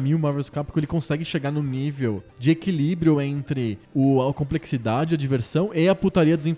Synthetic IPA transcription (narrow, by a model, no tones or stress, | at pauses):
mĩʊmaveskapi̥kʊelɪkõsɛɡɪʃeɡanʊnivewd͡ʒɪekilibɾjʊẽnt̪ɾɪʊɐkõpleksid̪ad͡ʒɪɐd͡ʒiveɾsɐ̃w̃ɪɐput̪aɾiɐd̪zẽ